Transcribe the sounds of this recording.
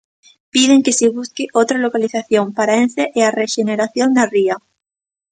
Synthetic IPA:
pið̞eŋkeseβ̞uskeʔot̪ɾalokaliθaθjoŋpaɾaenseʔeareʃeneɾaθjond̪aria

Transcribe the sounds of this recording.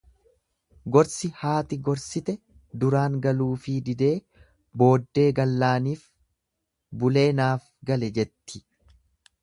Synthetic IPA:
ɡɔɾsɪhaːt̪ɪɡɔɾsɪt̪ɛ | d̪ʊɾaːŋɡɐluːfid̪ɪd̪e̞ː | bo̞ːd̪ːe̞ːɡɐlːaːniːf | bʊle̞ːnaːf | ɡɐlɛd͡ʒɛt̪ːɪ

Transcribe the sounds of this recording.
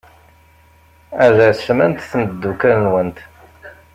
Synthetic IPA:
æʒæsmænt̪θənd̪ːukælnwənt̪

